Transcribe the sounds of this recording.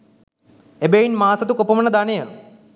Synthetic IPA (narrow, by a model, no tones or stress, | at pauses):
ebeinmaːsɐt̪ukopəmənəd̪anejə